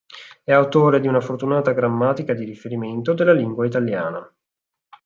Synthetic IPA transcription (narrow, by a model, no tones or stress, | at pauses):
ɛawt̪oːɾed̪iunafort̪unaːt̪aɡɾamːaːt̪ikad̪iɾifeɾiment̪od̪elːaliŋɡwait̪aljaːna